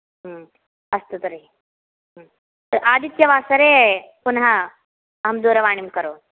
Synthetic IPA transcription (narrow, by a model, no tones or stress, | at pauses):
ɦ | ɐst̪ut̪ɐɾe | ɦ | t̪ɐɾʔaːd̪it̪jɐʋaːsɐɾeːpunɦɐ | ɐɦɐmd̪uːɾɐʋaːɳimkɐɾoː